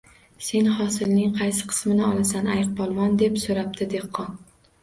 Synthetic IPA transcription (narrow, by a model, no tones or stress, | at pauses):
se̞nhɒsɪlnɪŋqʰɑjsɪ̥qʰɨ̥smɪnɪɒlˠasanajq̚bɒlˠmɒnd̪e̞psoɾap̚d̪ɪd̪e̞qʰːɒn